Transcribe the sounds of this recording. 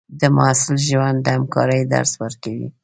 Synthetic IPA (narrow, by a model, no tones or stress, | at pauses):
d̪əmʊasɪlʒwand̪ːəhamkɑɾəjd̪a̰ɾswəɾkawḭ